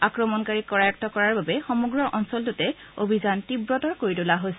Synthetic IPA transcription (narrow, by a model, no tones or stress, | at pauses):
akɹɔmɔnkaɹikɔɹajɔk̚tɔkɔɹaɹbabɛxɔmuɡɹɔɹʔɔnsɔltʊtɛ | obʱizantibɹɔtɔɹkoɹitulaɦojsɛ